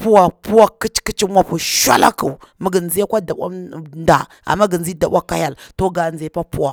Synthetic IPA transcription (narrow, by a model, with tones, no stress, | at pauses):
pu˦wa˨pu˦wa˦ki˦t͡ʃki˦t͡ʃi˦mʷa˦pu˨ʃʷa̰˦la̰˦ku˨mə˦ɡə˨nzi˦a˦kʷa˦da˨wʷa̰˦mnda̰˨ | a̰˨mːa˦ɡə˨nzi˦da˨ɓa˦kːa˦ja˦˨lto˦ɡa˨nze˨˦pa˦pu˦wa˨